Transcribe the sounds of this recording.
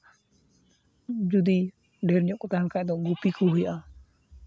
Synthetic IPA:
d͡ʒud̪i | ɖɛɾɲɔʔkɔt̪aɦankaʔd̪ɔɡupikuɦujaʔa

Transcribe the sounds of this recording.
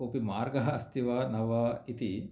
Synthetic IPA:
opimaːɾɡɐɦɐɐst̪iʋaːnɐʋɐit̪i

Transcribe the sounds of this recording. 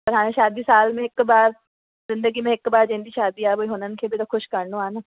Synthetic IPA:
pɐɾɦãːʃaːd̪isaːlmẽekbaːɾ | zɪ̃nd̪əɡimẽekːbaːɾd͡ʒẽːnd̪iʃaːd̪iaːboiɦonənkʰebʱit̪oxʊʃkɐɾnõaːnaː

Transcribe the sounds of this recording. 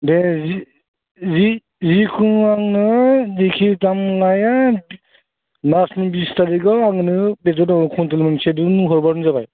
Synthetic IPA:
dezi | zi | zikʰuŋaŋnɯdikʰitamlaja | nasnibistaɾiɡɔaŋnɯbetɔdakʰɔntelmensedunɦɔɾbaɾzabaj

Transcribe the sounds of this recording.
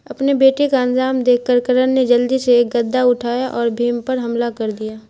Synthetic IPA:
ɐpnebeːʈekaɐnzaːmd̪eːkkəɾkəɾənned͡ʒɐld̪iseːk̚ɡɐd̪ːaʊʈʰaːjaʔɔːɾbʱiːmpɐɾɦɐmlakɐɾd̪ijaː

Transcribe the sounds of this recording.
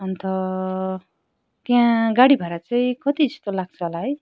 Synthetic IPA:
ʌnt̪ʌ | t̪jãɡaɽibʱaɾat͡saĩkʌt̪id͡zʌst̪olaɡ̚t͡sʰʌɦolaɦʌj

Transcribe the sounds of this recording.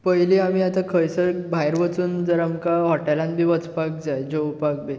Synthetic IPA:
pəjliːam̤iːat̪ãkʰəjsəbʱajɾʋət͡suːnd͡zəɾamkaɦɔʈɛlãn̚bʱiːʋət͡spak̚d͡zajd͡ʑowpak̚be

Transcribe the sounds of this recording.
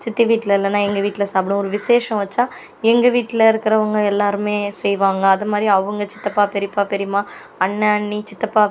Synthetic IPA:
t͡ʃɪt̪ːiʋiːʈːɪlɪlːɐnːãːɛŋɡɐʋiːʈːɪlɐsaːp̬ːɪnʊ̃ɔɾɯʋɪseːʂɐ̃ʋɐt͡ʃːaː | ɛŋɡɐʋiːʈːɪlɐɪɾɯkːɪɾɐʋɐŋɡɐɛlːaːɾɯmeːsɛjʋaːŋɡɐːðɐmaːd̪ɾiɐʋɐŋɡɐt͡ʃɪ̥t̪ːɐpːaːpɛɾɪpːaːpɛɾɪmaː | ɐɳːɐɐɳːit͡ʃɪt̪ːɐpːaː

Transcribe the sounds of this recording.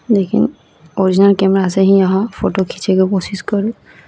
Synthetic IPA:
lekʰḭn | ɔɹizinalkɛmɛɹaːsɛɦĩaɦɔ̃pʰotokʰi̥sʰɛkɔpɔsiskɔɹũ

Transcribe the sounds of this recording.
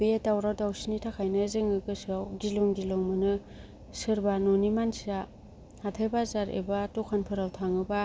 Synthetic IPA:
betawɾawdawsinitʰakʰajnɯzɯŋɯɡɯsawɡiloŋdiloŋmɯnɯ | sɯɾbanonimansia | hatʰajbazaɾḛbatokʰanpʰɯɾawtʰaŋɯba

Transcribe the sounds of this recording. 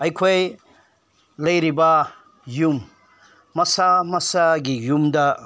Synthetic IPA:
ɐjkʰoj | lɐjɾibɐ | jumː | ɐsamɐsaɡijumdɐ

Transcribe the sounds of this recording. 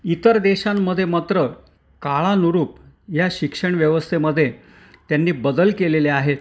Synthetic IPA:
it̪əɾd̪eɕamːəd̪ʱjemat̪ɾə | kaɭanuɾuːp | jaɕikʂəɳʋjəʋəst̪ʰeməd̪ʱːje | t̪janːiːbəd̪əlkeleleaɦe

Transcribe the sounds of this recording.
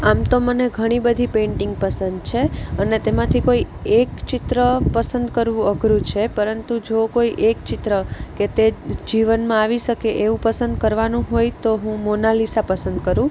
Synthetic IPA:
amt̪oməneɡʱəɽ̃ibəd̪ʱipẽɳʈɪŋɡpəsənd̪t͡ʃʰeənet̪emãt̪ʰikoiekt͡ʃɪt̪ɾəpəsənd̪kəɾʋũəɡʱɾũt͡ʃʰepəɾənt̪ud͡ʒokoiʔekt͡ʃɪt̪ɾəket̪ed͡ʒiʋənmãaʋiʃəkeʔeʋũpəsənd̪̚kəɾʋanũɦojt̪oɦũmonalisapəsənd̪kəɾũ

